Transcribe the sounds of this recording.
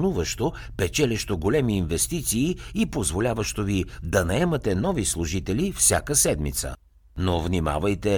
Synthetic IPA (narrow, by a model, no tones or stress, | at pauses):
nuvəʃt̪o | pɛt͡ʃɛlʲɛʃt̪oɡolɛmiːnvɛst̪it̪siːipozvolʲavəʃt̪ovid̪ɐnɐɛmɐt̪ɛnɔvislˠuʒit̪ɛlifsʲja̰kəsɛd̪mḭt̪sə̰ | novnima̰vɐjt̪ɛ